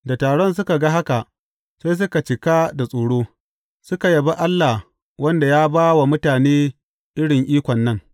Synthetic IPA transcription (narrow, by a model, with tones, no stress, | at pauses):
da˨taː˨ɽɔ˦ns̬ʊ˦ka˨ɡa˦ɦa˦ka˨ʔ | sa˦js̬ʊ˦ka˨t͡ʃɪ˨ka˦da˨sʼoː˨ɽoː˦ | sʊ˦ka˨jɐ˨ba˦ʔa˦lːa˨ | wɐ˦nda˨jaː˦baː˦wa˨mʊ˦taː˨neː˦ | ʔɪ˦ɽɪ˨ŋʔiː˦kʷɔ˨nːɐ˦ŋ